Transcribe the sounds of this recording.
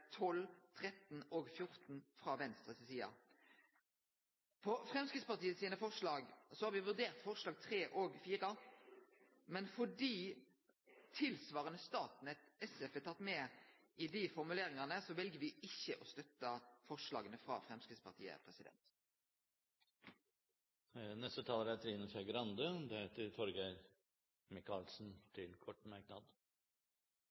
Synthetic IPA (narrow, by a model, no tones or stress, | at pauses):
t̪ʰɔlt̪ʰʁɛt̪n̩ɔːɡfjʊʁt̪n̩fʁɑːʋɛnst̪ʁəsɪsiːɑ̰ | pʰɔfʁɛmskɪd̪spɑʁt̪iːəsiːnəfɔʂɭɑːɡsɔhɑːɾʋɪʋʉʁd̪eːʁt̪fɔʁʂlɑːɡ̚t̪ʰʁeːʔɔɡfiːʁə | mɛnfɔɖiː | t̪ʰɪlsʋɑːʁənəst̪ɑːt̪nɛt̪ɛsɛfɛt̪ʰɑt̪ːmɛɪd̪ɪfɔɾmʉleːɾɪŋɑnəsɔʋɛlɡəʋɪɪçːəʔɔst̪œt̪ːɑfɔʂlɑ̰ːɡənəfʁɑ̰ːfɾʁɛmskɾiːspɑʁt̪ʰḭːə̰pʰʁɛsɪd̪ɛ̰nt̪ | nɛst̪ət̪ʰɑːləɾɛt̪ʰɾiːnɔçæɡɾɑnd̪əd̪ɛheːt̪əɾt̪ʰɔɾɡəɾ | mɪkɑlsn̩t̪ʰɪlkʰɔʈːmæɾknɑd̪